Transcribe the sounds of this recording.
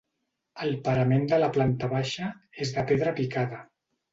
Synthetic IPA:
əlˠpəɾəmend̪ələplant̪əβaʃəezðəpeðɾəpikaðə

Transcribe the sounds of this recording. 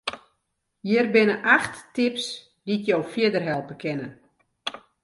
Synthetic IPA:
jɪrbɪnəʔaxtːɪps | ditjowfjɪədərɦɛlˠpəkʰɪnən

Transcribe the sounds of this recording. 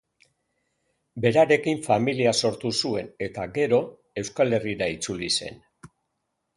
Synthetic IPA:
be̞ɾaɾe̞kiɱfamiliaso̞ɾt̪usue̞ne̞t̪aɡe̞ɾo̞ | e̞wskale̞riɾait͡sulise̞̰n

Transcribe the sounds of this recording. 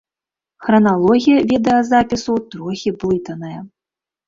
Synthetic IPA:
xɾɐnalˠɔɣʲijɐvʲɛd̪ɐjɐzapʲisut̪ɾɔxʲiplˠɨt̪ɐnɐjɐ

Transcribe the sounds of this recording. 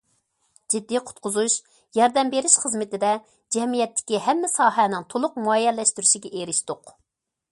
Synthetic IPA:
d͡ʒid̪ːiqʰʊ̥t̪̚qʰʊzuʃ | jɑɾd̪ɛmbeɾɪʃχəzmɪt̪ɪd̪ɛ | d͡ʒɛmijɛt̪ʰːɪ̥kʲiɦɛmːɪsɑːɦɛnɪŋt̪ʰolˠʊq̚muɑjɛlːɛʃt̪yɾyʃiɡʲɛʔeɾɪʃt̪ʊq

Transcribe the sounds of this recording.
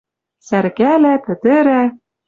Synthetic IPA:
sæɾɣælæpɘ̆t̪ɘ̆ɾæ

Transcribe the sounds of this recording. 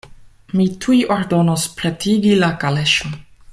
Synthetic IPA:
mitʰujʔoɾdo̞nospɾetʰiɡilakaleʃo

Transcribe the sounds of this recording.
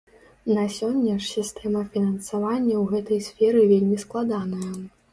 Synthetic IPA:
nasʲɔnʲːɐʂsʲist̪ɛmɐfʲinɐnsavanʲːɐwɣɛt̪ɐjsʲfʲɛɾɨvʲelʲmʲisklˠad̪anɐjɐ

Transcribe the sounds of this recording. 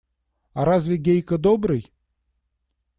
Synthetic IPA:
aɾazʲvʲɪɡʲejkəd̪obɾɨj

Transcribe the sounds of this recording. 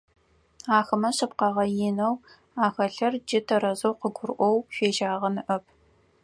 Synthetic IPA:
aːxɐmɐɕɐpqɑʁɐjɪnɐw | aːxɐɬɐrd͡ʒɪtʰɐɾɐzɐwqəɡʷʊrʔʷɔwfeːʒaːʁɐnɨʔɐpʰ

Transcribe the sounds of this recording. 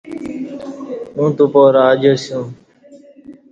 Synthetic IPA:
mũːt̪uːpoːɾaːəd͡ʒəːsjũː

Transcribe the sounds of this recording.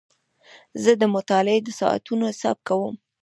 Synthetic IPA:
zəd̪əmʊt̪ɑlɪed̪əsɑ̰ʔa̰t̪unosɑ̰b̚kawəm

